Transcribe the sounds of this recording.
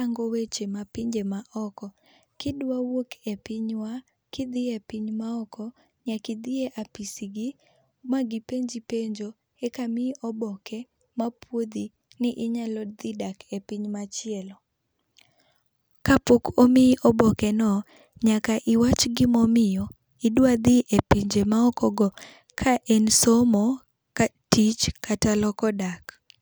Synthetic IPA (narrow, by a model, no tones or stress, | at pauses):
aŋɡɔwet͡ʃemapɪɲd͡ʒemaʔɔkɔ | kɪdwawokʰepɪɲwa | kɪd̪ɪepiɲmaɔkɔ | ɲakɪd̪ɪeʔapisiɡi | maɡɪpeɲd͡ʒipeɲd͡ʒo | ekamɪʔɔbɔkʰɛ | mapʰwod̪i | nɪʔɪɲalɔd̪ɪdakʰepiɲmat͡ʃɪɛlɔ | kapokomɪʔɔbɔkɛnɔ | ɲakaʔɪwat͡ʃɡɪmɔmɪjɔ | ɪdwad̪ɪʔepiɲd͡ʒemaɔkɔɡɔ | kʰaʔɛnsɔmɔ | ka | tit͡ʃkatalɔkɔdak